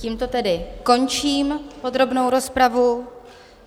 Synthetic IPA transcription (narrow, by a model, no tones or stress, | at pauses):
ciːmt̪o̞t̪ɛdɪko̞nt͡ʃiːmpo̞d̪ɾo̞bno̞wɾo̞spɾavu